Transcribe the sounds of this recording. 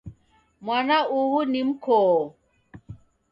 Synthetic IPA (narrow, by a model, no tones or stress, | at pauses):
mwanauhunim̩kʰoː